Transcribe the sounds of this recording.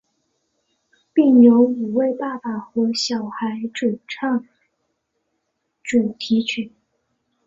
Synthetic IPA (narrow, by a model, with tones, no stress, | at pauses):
pi˥˩ŋnjo˧˥ʊi˨˩we˥˧ɪpa˥˩pa˨˩xɔ˧˥ɕjɑ˨˩ʊxa˧˥ɪʈ͡ʂu˨˩ʈ͡ʂʰɑ˥˩ŋ | ʈ͡ʂu˨˩t̪ʰi˧˥t͡ɕʰy˨˩˦n